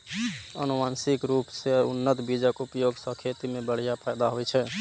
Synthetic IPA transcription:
ə̰numansikɾupseṵnːət̪bid͡ʒəkupjoɡsə̃kʰet̪imebəɽ̤ijapʰajd̪aɦojt͡ʃʰɛ

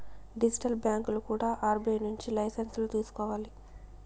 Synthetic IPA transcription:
ɖid͡ʒiʈɐlbjaːŋklukuːɽaːʔaːɾbeːnuɲt͡ʃilɐjsɐnslut̪iːsu̥kɔːʋaːli

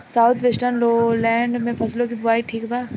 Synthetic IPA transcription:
saːʊt̪ʰʋesʈənloːlɛ̃ːɳɖmẽpʰɐslõk̬ibʊaːiʈʰiːkbaː

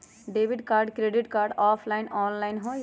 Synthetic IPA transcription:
ɖeːʋɪɖkaːɾɖkɾeːɖɪʈkaːɾɖɔːpʰlaːɪnɔːnlaːɪnɦo

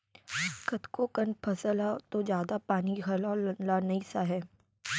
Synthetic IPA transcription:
kɐt̪kokɐnpʰɐsəlat̪od͡ʒjaːd̪apaːniɡʱɐlɔːɾlɐnlanɐisaɦɛː

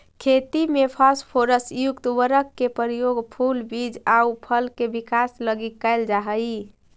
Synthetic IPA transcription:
kʰet̪imepʰaspʰoɾəsjukt̪wəɾəkːepəɾijoɡpʰulbid͡ʒaupʰəlkebikasləɡikːaɪld͡ʒaɦəji

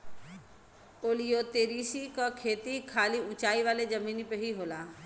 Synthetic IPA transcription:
oːlijot̪eːɾisikəkʰeːt̪ikʰaːliʊ̃t͡ʃaːiʋaːled͡ʒəmiːnipeɦiɦoːlaː

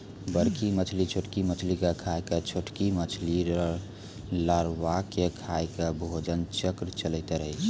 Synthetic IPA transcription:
bəɾkimət͡ʃʰlit͡ʃʰoʈkimət͡ʃʰlikekʰaket͡ʃʰoʈkimət͡ʃʰliɾ | laɾwakekʰajkebʱod͡ʒənt͡ʃəkɾt͡ʃələɪt̪ɛɾəɦət͡ʃʰ

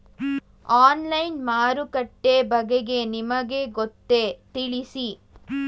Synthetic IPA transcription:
aːnlɐjnmaːɾukɐʈːeːbɐɡeɡe̞nimɐɡeːɡot̪ːeːt̪iɭisi

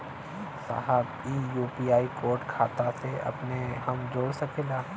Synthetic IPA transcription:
sa̰ːɦəb | iːjuːpiaːikoːɾʈkʰaːt̪aseɐ̰pneɦɐmd͡ʒoːɽsɐkʰeːlaː

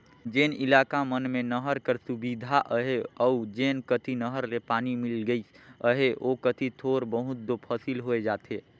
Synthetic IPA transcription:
d͡ʒenilaːkamənmenəɦəɾkəɾsubid̪ʱaʔəɦeəud͡ʒeːnkət̪ʰinəɦəɾlepaːnimilɡəis | əɦeʔokət̪ʰit̪ʰoːɾbəɦʊt̪̚d̪opʰəsilɦoed͡ʒaːt̪e

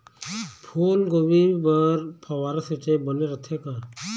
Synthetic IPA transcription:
pʰuːlɡoʋibəɾpʰəwaːɾaset͡ʃeːbəneɾət̪ʰeːkaː

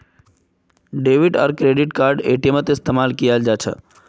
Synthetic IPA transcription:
ɖeʋiʈɔ̰ɾkɾeɖiʈkaːɾɖḛʈiemet̪eɪst̪emaːlkijad͡ʒat͡ʃʰə̰

